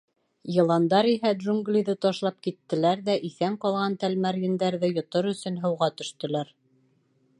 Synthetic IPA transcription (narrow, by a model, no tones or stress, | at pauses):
jɤ̆lˠɑnd̪ɑɾiɦæd̪ʒuŋɡlʲiðɤt̪ɒʃlˠɑp̚kit̪ːɘ̆læɾðæʔiθæŋqɑlˠʁɑnt̪ælmæɾjɘ̆nd̪æɾðɘjŏt̪oɾɵ̆sɵ̆nɦɤ̆wʁɑt̪ɵ̆ʃt̪ɵ̆læɾ